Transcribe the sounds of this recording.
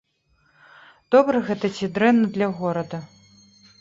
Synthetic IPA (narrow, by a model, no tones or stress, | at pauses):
d̪ɔbɾɐɣɛt̪ɐt͡sʲid̪ɾɛnːɐd̪lʲɐɣɔɾɐd̪ɐ